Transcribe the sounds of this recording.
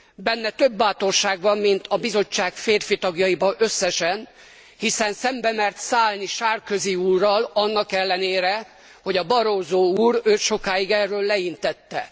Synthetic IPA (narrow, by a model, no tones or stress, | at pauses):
bɛnːɛt̪ø̞bːaːt̪o̞rʃaːɡbɒmːint̪ʰɒbizo̞t͡ʃːaːkfeːrfit̪ɒɡjɒjibɒʔø̞sːɛʃɛn | hisɛnsɛmbɛmɛrt̪saːlniʃaːrkø̞ziuːrːɒlɒnːɒkɛlːɛneːɾɛ | ho̞ɟɒbɒɾoːzoːuːɾøːʃo̞kaːjiɡɛrːøːlːɛint̪ɛt̪ːɛ̰